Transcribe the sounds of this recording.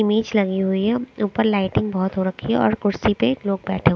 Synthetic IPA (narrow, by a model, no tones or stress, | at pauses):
ɪmiːd͡ʒlɐɡiɦʊiɦɛuːpəɾlaːɪʈɪ̃ŋɡ̚bɔɦʊt̪ɦoɾɐkʰiɦɛ̰ɔ̰ːɾkʊɾsipeloːɡ̚bɛːʈʰe